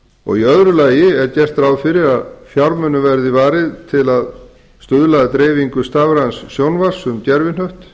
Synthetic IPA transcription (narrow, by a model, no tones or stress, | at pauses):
ɔ̰ɣiœðɾʏlaːjɪɛɾcɛr̥t̪ɾawfɪɾɪɾaðfjawɾmœnːʏvɛɾðɪvaːɾɪðt̪ʰɪlað | st̪ʏðlaðat̪ɾeːjviŋkʏst̪aːvɾansːjownvar̥sʏmt̪jɛɾvɪnhœɥht̪